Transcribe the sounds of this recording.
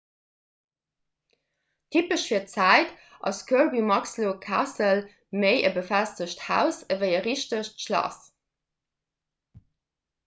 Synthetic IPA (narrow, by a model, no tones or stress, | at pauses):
tʰipəʃfiːɐt͡sæɪt | ʔɑ̰skʰuɹbimɑkslokʰasəl | məɪʔəbəfæstəɕthæ̰ʊsəvəɪəʁiʃtəʃtʃlɑ̰s